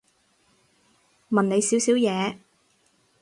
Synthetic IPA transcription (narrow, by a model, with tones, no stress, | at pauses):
mɐ˨nne˨˧jsiː˨˥wsiː˨˥wjɛː˨˧